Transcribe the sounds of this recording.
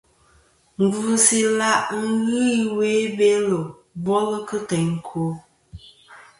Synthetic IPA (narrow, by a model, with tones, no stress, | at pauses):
ŋ̩˨ɡu˦si˦la˦ʔŋ̩˦ɣɨ˦we˦be˦lo˨ | bɔ˦lɨ˦kɨ˦kɛ˨ŋ˨kʰo˨˦